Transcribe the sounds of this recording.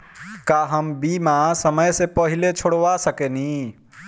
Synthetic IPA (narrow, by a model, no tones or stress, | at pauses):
kaɦəmbimasəməjsẽpəɦilet͡ʃʰoɽʋasəkɛni